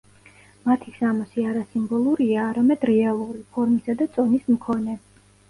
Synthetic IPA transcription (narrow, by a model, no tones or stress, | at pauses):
mat̪ʰisamɔsiaɾasimbɔlˠuɾiaːɾamɛd̪ɾɛalˠuɾipʰɔɾmisad̪at̪sʼɔnismkʰɔnɛ